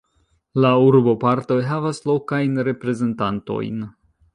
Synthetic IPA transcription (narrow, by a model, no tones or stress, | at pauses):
lauɾbo̞paɾto̞jɦavaslo̞kajnɾe̞pɾe̞ze̞ntanto̞̰jn